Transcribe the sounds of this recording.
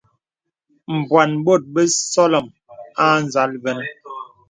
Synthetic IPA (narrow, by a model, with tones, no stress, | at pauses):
m̩˨bwa˨nbo˦˨t̚bə˦sɔ˦lɔ˨m | a˦n˨za˨˦lvɛ˦n˦